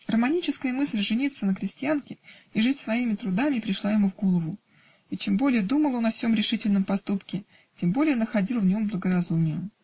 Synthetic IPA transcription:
rəmɐnʲit͡ɕɪskəjəmɨsʲlʲʐɨnʲit̪sːənəkɾʲɪsʲtʲɪankʲɪiʐɨtʲsvɐimʲɪt̪ɾʊd̪amʲɪpɾʲɪʂlˠajɪmuvɡo̞lˠəvʊ | it͡ɕembo̞lʲɪjəd̪uməlˠo̞nɐfsʲo̞mɾʲɪʂɨtʲɪlʲnəmpɐst̪upkʲɪ | tʲembo̞lʲɪjənəxɐdʲilˠvnʲo̞mblˠəɡəɾɐzumʲɪjəm

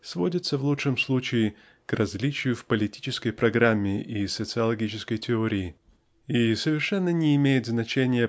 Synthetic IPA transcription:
svodʲɪt̪səvlˠutʂɨmslˠut͡ɕɪɪ | krʔɐzʲlʲit͡ɕɪjʊfpəlʲɪtʲi̥t͡ɕɪskəjpɾɐɡɾamʲːɪʔisət̪sɨɐlˠɐɡʲit͡ɕɪskəjtʲɪoɾʲɪɪ | isəvʲɪrʂɛnːənʲɪːmʲejɪt̪znɐt͡ɕenʲɪjə

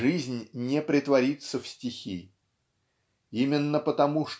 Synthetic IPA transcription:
ʐɨzʲnʲnʲɪpɾʲɪt̪vɐɾʲit̪səfsʲtʲɪxʲi | imʲɪnːəpət̪ɐmuʂ

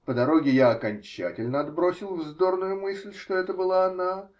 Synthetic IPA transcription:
pəd̪ɐɾo̞ɡʲɪjaɐkɐnʲt͡ɕæ̰tʲɪlʲnəɐd̪bɾo̞sʲɪlˠvzd̪o̞rnʊjʊmɨsʲlʲʂt̪oɛt̪əbɨlˠaɐna

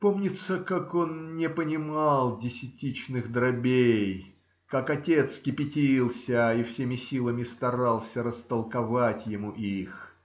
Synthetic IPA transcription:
po̞mnʲɪt̪səkako̞nnʲɪpənʲɪmɑlˠdʲɪsʲɪtʲit͡ɕnɨxd̪ɾɐbʲej | kakɐtʲe̞t̪skʲɪpʲɪtʲilˠsʲəifsʲemʲɪsʲilˠəmʲɪst̪ɐɾɑlˠsʲəɾəst̪əlˠkɐvatʲjɪmuʔix

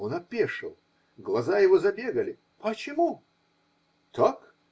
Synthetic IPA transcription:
onɐpʲeʂɨ̰lˠ | ɡlˠɐzajɪvozɐbʲeɡəlʲɪ | pət͡ɕɪmu | t̪ʰak

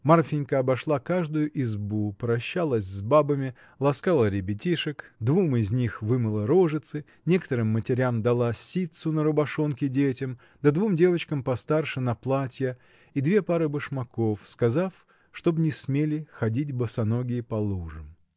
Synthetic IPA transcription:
marfʲɪnʲkəɐbɐʂlˠakaʐd̪ʊjʊʔɪzbupɾɐɕːalˠəsʲzbabəmʲɪ | lˠɐskalˠəɾʲɪbʲɪtʲiʂɨkd̪vumɪzʲnʲixvɨmɨlˠəɾoʐɨt̪sɨ | nʲe̞kət̪əɾɨmːətʲɪɾʲamd̪ɐlˠasʲit̪sʊnəɾʊbɐʂonkʲɪdʲetʲɪm | d̪ɐd̪vumdʲe̞vət͡ɕkəmpɐst̪arʂɨnɐplˠatʲjə | id̪vʲe̞paɾɨbɨʂmɐko̞fskɐzaf | ʂt̪o̞bnʲɪsmʲelʲɪxɐdʲitʲbəsɐnoɡʲɪːpɐlˠuʐɨm

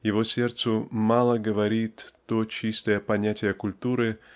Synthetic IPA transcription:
jɪvosʲe̞rt̪sʊmalˠəɡəvɐɾʲit̪ːot͡ɕist̪əjəpɐnʲætʲɪjəkʊlʲt̪uɾɨ

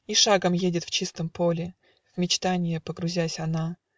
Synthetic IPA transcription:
iʂaɡəmjedʲɪt̪ft͡ɕist̪əmpolʲɪ | vmʲɪt͡ɕt̪anʲɪjəpəɡɾʊzʲæsʲɐna

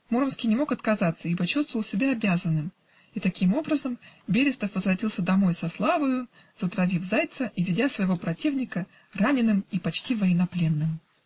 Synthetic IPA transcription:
muɾəmskʲijnʲɪmo̞kɐt̪kɐzat̪səipɐt͡ɕust̪vəvəlˠsʲɪbʲaɐbʲazənːɨm | it̪ɐkʲimo̞bɾəzəmbʲeɾʲɪst̪əfvəzvrɐtʲilˠsʲəd̪ɐmo̞jsɐslˠavəjʊz̥ət̪ɾɐvʲivzajt̪səʔivʲɪdʲasvəjɪvopɾɐtʲivnʲɪkə | ranʲɪnːɨmipɐt͡ɕtʲivəjɪnɐplʲe̞nːɨm

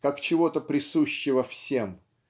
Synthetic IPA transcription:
kakt͡ɕɪvo̞t̪əpɾʲɪsuɕːɪvəfsʲem

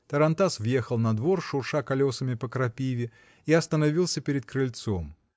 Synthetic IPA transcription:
t̪əɾɐnt̪asvje̞xəlˠnɐd̪vo̞rʂʊrʂakɐlʲo̞səmʲɪpəkɾɐpʲivʲɪ | iɐst̪ənɐvʲilˠsʲəpʲɪɾʲɪd̪̚kɾɨlʲt̪so̞m

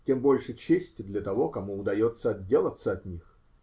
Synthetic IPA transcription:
tʲe̞mbo̞lʲʂɨt͡ɕesʲtʲɪd̪lʲɐt̪ɐvo̞kɐmuʊd̪ɐjo̞t̪səɐdʲːe̞lˠət̪səɐt̪ʲnʲix

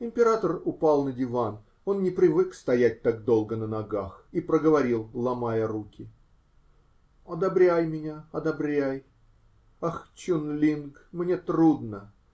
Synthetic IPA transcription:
ɪmʲpʲɪɾat̪ərʊpalˠnədʲɪvan | o̞nnʲɪpɾʲɪvɨkst̪ɐjæt̚ʲt̪ak̚d̪o̞lˠɡənənɐɡaxipɾəɡəvɐɾʲilˠlˠɐmajəɾukʲɪ | ɐd̪ɐbɾʲæjmʲɪnʲaɐd̪ɐbɾʲæj | axt͡ɕunlʲinɡmnʲe̞t̪ɾud̪nə

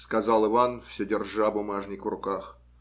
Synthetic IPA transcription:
skɐzɑlˠɨvanfsʲɵdʲɪrʐabʊmaʐnʲɪkvrʊkax

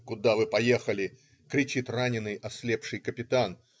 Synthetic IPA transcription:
kʊd̪avɨpɐje̞xəlʲɪ | kɾʲɪt͡ɕit̪ranʲɪnːɨjʔɐsʲlʲe̞pʂɨjkəpʲɪt̪an

